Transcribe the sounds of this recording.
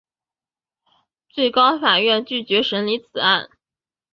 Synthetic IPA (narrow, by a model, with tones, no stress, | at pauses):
t͡swe˥˩ɪkɑ˥ʊfa˨˩ɥɛ˥˧nt͡ɕy˥˩t͡ɕɥɛ˧˥ʂə˧˥nli˧˥t͡sʰɹ̩˨˩a˥˩n